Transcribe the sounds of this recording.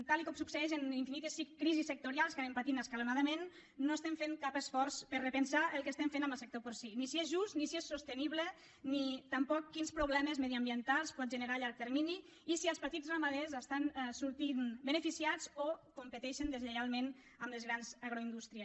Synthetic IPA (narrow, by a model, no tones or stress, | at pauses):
t̪alikɔmsuksəɛʃ̬eniɱfinit̪esikːɾizisːək̚t̪uɾialˠskanempat̪inəskalunaðəmenː | oest̪ɛmfeŋkapəsfɔɾspəɾrepənsaʔəlˠkest̪ɛmfenambəlˠsek̚t̪opoɾsinisiezʒust̪nisiesːost̪əniβlə | nit̪ampɔkːinspɾuβlɛməzmeðiəmbjənt̪alˠspɔt̪̚ʒənəɾaʎaɾk̚t̪eɾmini | isiəlˠspat̪izramaðezəst̪ansuɾt̪inbənəfisiad͡zokumpət̪ɛʃənd̪ezʎeɣalˠmen | əmləzɣɾanzaɣɾoind̪ust̪ɾiə